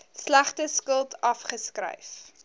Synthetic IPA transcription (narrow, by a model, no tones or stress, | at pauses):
slæχtəskəlˠtʰɐfχəskɾə̰jf